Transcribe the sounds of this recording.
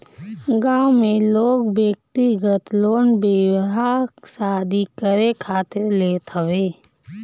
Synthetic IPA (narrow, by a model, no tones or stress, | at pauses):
ɡaːmẽloːɡbjək̚t̪iɡət̪loːnbɪwɦasaːd̪ʱikəɾekʰaːt̪ɪɾleːt̪ɦəweː